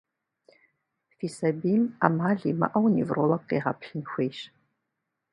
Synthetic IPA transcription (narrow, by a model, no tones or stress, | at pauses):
fiːsɐbiːma̰ːmaːɮiːmɐ̰ʔɐwnivrolɐkqḛːʁɐ̰pɬɨnxʷeːʃ